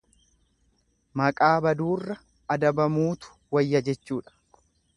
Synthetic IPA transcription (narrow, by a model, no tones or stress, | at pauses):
mɐkʼaːbɐd̪uːrːɐ | ɐd̪ɐbɐmuːt̪ʊ̥wɐjːɐd͡ʒɛt͡ʃːuːᶑɐ̥